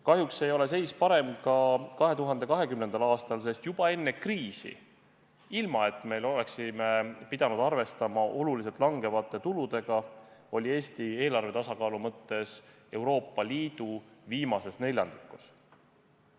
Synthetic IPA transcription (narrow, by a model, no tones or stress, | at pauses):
kɑɦjuksejo̞le̞s̬e̞jspɑɾe̞mt̪kɑkɑɦe̞t̪uɦɑnd̪e̞kɑɦe̞kymne̞nd̪̥ɑlɑːst̪ɑlse̞st̪jub̥ɑe̞nːe̞kriːsḭ | ilmɑe̞t̪ːˑme̞lo̞le̞ksimepid̪ɑnud̪ɑrve̞st̪ɑmɑʔo̞lulis̬e̞lt̪ˑlɑŋɡe̞vɑt̪ˑːe̞t̪ulud̪̥e̞ɡ̥ɑo̞lʲie̞ːst̪ie̞ːlɑrve̞t̪ɑsɑkɑːlumɤt̪ːˑe̞s | e̞wɾo̞ːpːˑɑliːd̪̥uviːmɑse̞sne̞lʲjɑ̰nd̪i̥kːˑus